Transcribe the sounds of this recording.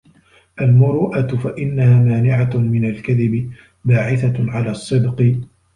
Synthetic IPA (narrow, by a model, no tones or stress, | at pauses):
ʔalmʊɾuːʔat̪faʔɪnːahaːmaːnɪʕamɪnalkaðɪbɪ | baːʕɪθaʕalaːsˤːɨd̪qɨ